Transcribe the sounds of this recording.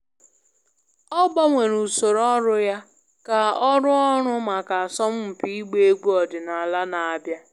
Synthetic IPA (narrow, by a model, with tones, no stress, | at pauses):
ɔ˦ɡ͡ba˦ŋʷe˨ɾu˨so˨ɾɔ˦ɾʊ˦ja˦ | ka˨ɔ˦ɾʊ˦ɔ˦ɾʊ˦ma˨ka˨a˨sɔ˦m̩˦m̩˨pi˦i˦ɡ͡be˦e˦ɡ͡bu˦ɔ˨dɪ˨na˨a˨la˦na˨a˨bja˦